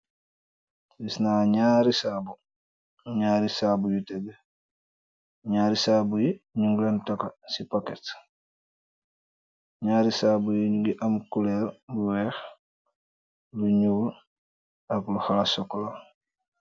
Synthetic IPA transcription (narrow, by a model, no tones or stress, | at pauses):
bisnaːɲaːɾisaːbu | ɲaːɾisaːbujutɛbɛ | ɲaːɾisaːbujiɲuŋɡlantakasipakɛt | ɲaːɾisaːbujiɲuɡiʔamkulɛlbuwɛx | luɲuɡul | akluxalsɔkːɔla